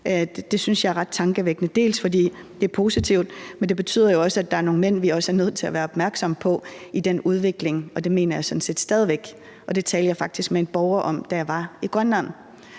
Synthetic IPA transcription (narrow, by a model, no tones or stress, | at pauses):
d̥e̝synsjɑ̈æɐʁɑ̈d̥̚t͡sʰɑ̈ŋɡ̥əʋeɡ̥ənəd̥e̝̰ːlsfɒ̽d̥ḭː | d̥e̝æɐpʰo̝ːsit͡sʰiʊ̰d̥mend̥e̝b̥e̝t͡sʰy̰ð̰ˠɐjo̝ɒ̽səæd̥ɑ̈æɐno̝ːŋn̩men̰ʋiɒ̽səæɐnøð̰ˠt͡sʰe̝læʋæːɐɒ̽b̥mæɐɡ̥sɒ̽mpʰɒ̽id̥enuð̞ˠʋe̝ɡ̥le̝ŋɒ̽d̥e̝me̝̰ːnɐjɑ̈ɪsɒ̽d̥n̩se̝̰ːd̥sd̥ɛð̞ˠiʋeɡ̥ | ʔɒ̽d̥e̝t͡sʰɛːljɑ̈ɪfɑ̈ɡ̥d̥isɡ̥mee̝nb̥ɒʊɐʔɒ̽m̰d̥æjɑ̈ɪʋɑ̈iɡ̥ʁɶnæn̩